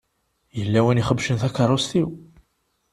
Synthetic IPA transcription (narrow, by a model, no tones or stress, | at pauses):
jəlːæwəniχəbʃənθækːɑrˤːust̪iw